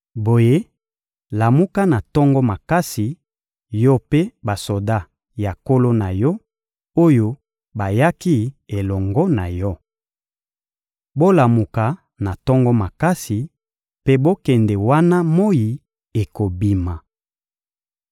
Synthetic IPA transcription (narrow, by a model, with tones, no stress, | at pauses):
bo˨je˦ | la˨mu˦ka˦na˨tɔ˦ŋɡɔ˦ma˨ka˦si˨ | jɔ˦pe˦ba˨so˨da˦˨ | ja˨ko˦lo˦na˨jɔ˦ | o˦jo˦ | ba˨ja˦ki˦e˨lɔ˨ŋɡɔ˦na˨jɔ˦ | bo˦la˨mu˨ka˨ | na˨tɔ˦ŋɡɔ˦ma˨ka˦si˨ | pe˦bo˦kɛ˨ndɛ˨wa˦na˦mo˦ji˨ | e˨ko˨bi˨ma˨